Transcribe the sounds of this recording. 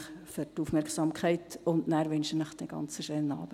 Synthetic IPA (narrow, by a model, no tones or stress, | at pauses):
χføɾtufmɛɾkχsɑmkʰχɛɪtʊndnæːɾʋʏnʃənəχd̥ɛɡ̥ɑ̰nt͡səʃøːnɑ̰ːb̥ə